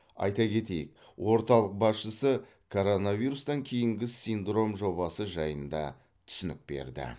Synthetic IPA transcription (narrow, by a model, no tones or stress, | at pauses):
ɑ̰jt̪ɑkʲe̞t̪e̞jɪk̚ | wo̞ɾt̪ɑlˠəq̚bɑsʃəsə | kʰo̞ɾo̞navijɾust̪ɑŋkʲʰe̞jɪŋɡʲɪsijnd̪ro̞mʒo̞βɑsəʒɑjənd̪ɑ̰ | t̪ʰʏ̥sɪnɪ̰k̚b̥e̞̰ɾd̪ɪ̰